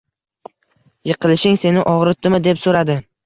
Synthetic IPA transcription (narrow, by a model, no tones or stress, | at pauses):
jɨqʰɨlɪʃɪŋse̞nɪʔɒʁɾɪt̪ʰːɪmɪd̪e̞psoɾad̪ɪ